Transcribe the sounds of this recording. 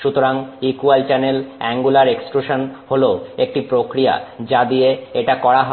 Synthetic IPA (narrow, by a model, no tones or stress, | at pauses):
ʃut̪oɾaŋikualt͡ɕɛnelɛŋɡulaɾeksʈɾuʃanholeoek̚ʈipɾokɾija̰d͡ʑad̪ijeeʈakɔɾaɦɔ